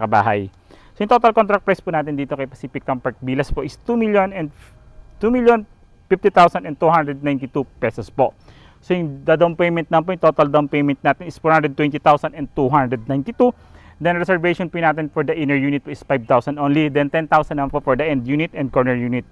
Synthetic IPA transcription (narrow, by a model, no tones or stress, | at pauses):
kɐba̰ːɦɐ̰j | sojʊŋt̪o̞ːt̪ɐlkont̪ɾɐk̚pɹajspuːnaːt̪ɪnd̪iːt̪o̞kɐjpɐsiːpɪk̚t̪ɐmpɐɹt̪̚biːlɐspoʔɪst̪umiljonɛnd̪ | t̪umiljon | fift̪it̪awsɐnɛ̃nt̪uhand̪ɾɛd̪najnt̪ɪt̪upɛsɔspoʔ | sojʊŋd̪ad̪awnpejmɛ̃nt̪nɐmɐnpojʊŋt̪oːt̪ɐld̪awnpejmɛ̃nt̪naːt̪ɪnɪsfɔɹhand̪ɾɛd̪̚wɛnt̪it̪awsɐnɛnd̪t̪uɦand̪ɾɛd̪̚najnt̪ɪt̪u | d̪ɛnɹɛsɛɹvejʃɔnpunaːt̪ɪnfɔɹd̪ɐʔɪ̃nɛɹjuːnɪt̪̚poʔɪsfajb̚t̪awsɐnd̪ʔonlid̪ɛnt̪ɛnt̪awsɐnɐmanpofɔɹd̪ɐʔɛnd̪juːnɪt̪ɛnd̪̚kɔɹnɛɹjuːnɪt̪̚